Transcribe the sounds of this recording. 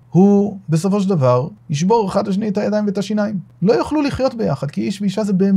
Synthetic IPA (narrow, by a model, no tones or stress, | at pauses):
hube̞s̬o̞fo̞ʃ̬eld̪avaʁhiʃ̬bo̞ʁeχad̪laʃ̬eniethajad̪ajiɱveetaʃinajimlo̞jaχluliχjo̞tbe̞jaχad̪kiiʃbeiʃazebe̞ːm